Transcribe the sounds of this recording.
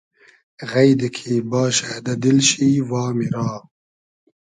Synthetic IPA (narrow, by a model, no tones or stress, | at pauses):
ɣɐjd̪ikʰiːbɑːʃad̪ɐd̪ilɕiːwɑːmiɾɑː